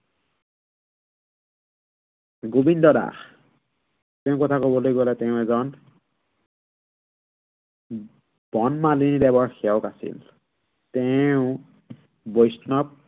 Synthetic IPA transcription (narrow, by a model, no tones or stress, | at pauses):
ɡobindɔda̰x | tɛʊ̃kɔtʰakɔbɔlojɡɔlɛtɛʊɛzɔn | b̥ɔnmalinidɛbɔɹxiɛwkasḭl | tɛʊ̃ | bojsnɔp̚